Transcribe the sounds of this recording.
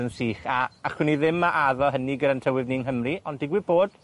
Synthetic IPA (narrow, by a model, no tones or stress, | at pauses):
ənsiːχaaχwɪniðɪmːaʔaðɔɦəniɡəɾantʰəwɪvniŋɦəmriɔndɪɡwiboːd̥